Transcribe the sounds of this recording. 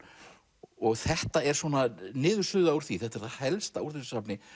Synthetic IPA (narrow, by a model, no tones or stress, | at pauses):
ɔɣθɛht̪aɛɾ̥swɔːnanɪːðʏɾ̥sʏːðaːuɾ̥θviθɛht̪aɛɾθaðhɛlst̪auɾ̥θʏsapnɪ